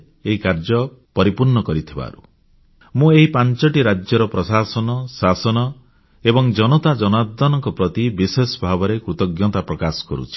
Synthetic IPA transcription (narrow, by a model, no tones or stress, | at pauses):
eɦikaɾd͡ʒɔpɔɾipuɾɳɔkɔɾit̪ʰiba̰ɾṵ | mũeɦipant͡ʃɔʈiɾad͡ʒjɔɾɔpɾɔsasɔnɔsasɔnɔ | ebɔŋd͡ʒɔnɔt̪ad͡ʒɔnad̪ːɔnɔŋkɔpɾɔt̪ibisesbʱabɔɾekɾut̪ɔɡjɔt̪apɾɔkasɔ̥kɔ̰ɾṵt͡ʃʰi̥